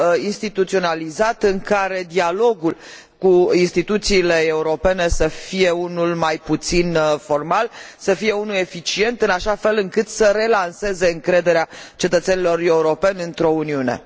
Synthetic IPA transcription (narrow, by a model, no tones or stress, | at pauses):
inst̪it̪ut̪sio̞nalizat̪ɨŋkaɾe̞d̪ialo̞ɡul | kuinst̪it̪ut̪siːle̞euɾo̞pe̞ne̞səfije̞unulmajput̪sinfo̞rmalsəfije̞unule̞fit͡ʃie̞nt̪ɨnaʃafe̞lɨŋkɨt̪səɾe̞lanse̞ze̞ɨŋkɾe̞d̪e̞ɾeat͡ʃe̞t̪ət̪senilo̞re̞uɾo̞pe̞nʲɨnt̪ɾo̞uniune̞̰